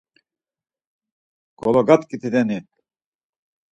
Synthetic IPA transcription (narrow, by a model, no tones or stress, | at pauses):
ɡ̥ɔlɔɡat̪kit̪ʰid̪ɛnit̪